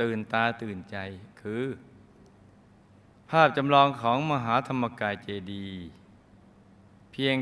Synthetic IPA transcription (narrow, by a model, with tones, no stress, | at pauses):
t̪ɯː˨˩nt̪aː˧t̪ɯː˨˩nt͡ɕa˧jkʰɯː˧ | pʰaː˥˩p̚t͡ɕa˧mlɔː˧ŋkʰɔː˩˦ŋma˧ɦaː˩˦t̪ʰa˧mːa˧kaː˧nt͡ɕeː˧diː˧ | pʰi˧əŋ